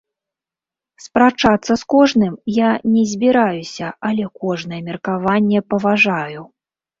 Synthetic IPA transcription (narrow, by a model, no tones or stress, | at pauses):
spɾat͡ʂat̪sːɐskɔʐnɨmjanʲɛzʲbʲiɾajusʲɐɐlʲɛkɔʐnɐjɛmʲɛrkavanʲːɛpɐvaʐaju